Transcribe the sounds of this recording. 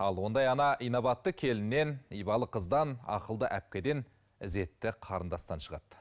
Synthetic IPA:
ɑlˠwo̞nd̪ɑjɑnɑʔijnoβɑt̪ːəkʲʰe̞lɪnːe̞nijbɑlˠəqʰəzd̪ɑnɑ̰qəlˠd̪əʔæp̚kʲe̞d̪e̞n | ɪze̞t̪ːɪqʰɑɾənd̪ɑst̪ɑnʃəʁɑt̪

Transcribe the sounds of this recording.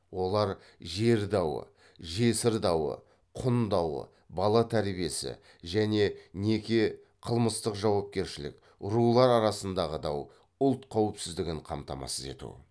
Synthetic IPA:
wo̞lˠɑɾ | ʒe̞ɾd̪ɑwə̰ | ʒe̞sɪɾd̪ɑwə̰ | qʰʊnd̪ɑwə̰ | bɑlˠɑt̪ʰæɾbije̞sɪ̰ | ʒæne̞ne̞kʲe̞ | qʰəlˠməst̪əqʒɑwɑp̚kʲe̞ɾʃɪlɪ̰k | ʊɾulˠɑɾɑɾɑsənd̪ɑʁəd̪ɑw | ʊlˠt̪qʰɑwəpsɪzd̪ɪɡʲɪɴqʰɑmt̪ɑmɑ̰səze̞̰t̪ṵ

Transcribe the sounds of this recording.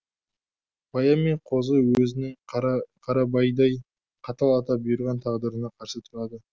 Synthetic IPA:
b̥ɑjɑme̞ɴqʰo̞zəwɵzɪnɪŋqʰɑɾɑbɑjd̪ɑj | qʰɑt̪ɑlˠɑt̪ɑp̚bʊjəɾʁɑnt̪ʰɑʁd̪əɾənɑqʰɑɾsət̪ʰʊɾɑd̪ə

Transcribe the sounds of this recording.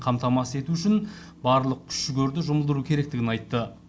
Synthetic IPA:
qʰɑmt̪ɑmɑsəe̞t̪uʏʃɪn | bɑɾlˠəq̚kʲʰʏ̥ʃːɪɡʲeɾd̪ɪʒʊməlˠd̪əɾukʲʰeɾe̞k̚t̪ɪɡʲɪnɑjt̪ːə

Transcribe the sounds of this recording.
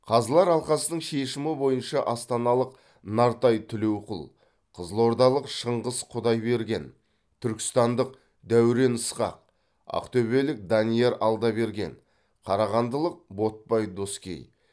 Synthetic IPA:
qʰɑzəlˠɑɾɑlˠqɑsənəɴʃe̞ʃɪmɪbo̞jənʃɑʔɑst̪ɑnɑlˠəq̚ | nɑɾt̪ɑjt̪ʰʏle̞wqʊlˠ | qʰəzəlˠo̞ɾd̪ɑlˠəqʃəɴʁəzqʰʊd̪ɑjbe̞ɾɡʲe̞n | t̪ʰʏɾkʲɪ̥st̪ɑnd̪əq | d̪æwɾe̞nəsqɑ̰q̚ | ɑ̰qt̪ɵβe̞lɪk̚d̪ɑnije̞ɾɑlˠd̪ɑbe̞ɾɡʲe̞̰n | qʰɑɾɑʁɑnd̪əlˠəq̚bo̞t̪̚pɑjd̪o̞skʲḛj

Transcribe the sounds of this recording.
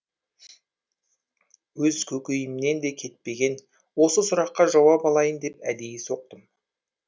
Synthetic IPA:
wɵzkʲʰɵkʲejɪmne̞nd̪e̞kʲʰe̞t̪̚pe̞ɡʲe̞n | wo̞səsʊɾɑqːɑʒɑwɑpɑlˠɑjənd̪e̞p̚æd̪ejʲɪso̞q̚t̪əm

